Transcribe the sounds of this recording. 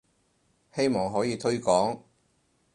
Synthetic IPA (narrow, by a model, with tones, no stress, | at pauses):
he˥jmɔː˨ŋɦɔː˨˥jiː˨˧t̪ʰɵ˥ɥkɔː˨˥ŋ